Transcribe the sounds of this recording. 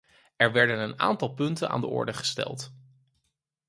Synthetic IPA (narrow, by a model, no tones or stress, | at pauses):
ɛɹʋɛɹdənəna̰ːntɑlˠpɵntəna̰ːndəɔ̰ɹdəχə̥stɛ̰lˠt